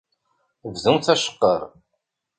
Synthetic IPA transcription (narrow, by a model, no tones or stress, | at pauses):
vðunθæʃə̥qːəɾˤ